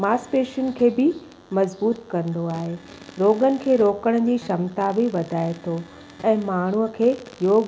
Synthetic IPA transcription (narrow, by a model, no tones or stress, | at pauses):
maːspeːʃənkʰeːbɪ | mɐzbuːt̪kɐ̃nd̪oaːɦe | ɾoːɡənɪ̆kʰeːɾoːkəɽ̃d͡ʑiːʃɐmt̪abɪʋɐd̪ʱaːet̪ʰo | ɛ̃ːmaːɳ̤uəkʰeːjoːɡ